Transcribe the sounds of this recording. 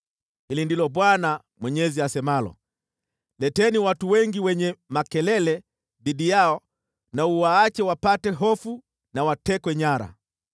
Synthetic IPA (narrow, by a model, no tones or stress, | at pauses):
hilindilɔɓwana | mwɛɲɛziasɛmalɔ̰ | lɛtɛniwatuwɛŋɡiwɛɲɛmakɛlɛlɛ | ðiɗijaɔ | nauwaːt͡ʃɛwapatɛɦɔfu | nawatɛkwɛɲaɾa̰